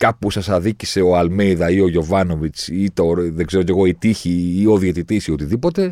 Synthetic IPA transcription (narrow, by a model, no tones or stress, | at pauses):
kɐpusɐsɐðicise̞o̞ɐlme̞jðɐio̞ʝo̞vɐno̞vit͡sit̪oɾðeɡze̞ɾotc̬e̞ɣo̞it̪içiːo̞ðiɐt̪it̪isio̞t̪iðipo̞t̪e̞